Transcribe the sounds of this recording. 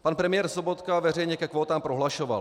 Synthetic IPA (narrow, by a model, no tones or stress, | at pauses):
panpɾɛmɪjɛːɾsobot̪kavɛr̝ɛjɲɛkɛkvoːt̪aːmpɾoɦlaʃova̰l